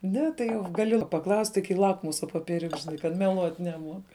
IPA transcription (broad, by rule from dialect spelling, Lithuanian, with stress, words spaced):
ˈnʲɛ tɐɪ jɛʊ ɡɐˈlʲɪ pɐˈklˠɐʊsʲtʲɪ kɐɪ ˈlˠɑːkmʊsɐ poːpʲiɛˈrʲʊks ʒʲɪˈnɐɪ kɐt mʲɛˈlˠuɔt nʲɛˈmuɔk